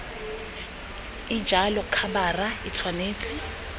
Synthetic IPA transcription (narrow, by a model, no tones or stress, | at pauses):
ɪd͡ʒʱalɔkʰabarait͡sʰwaneːt͡sʼɪ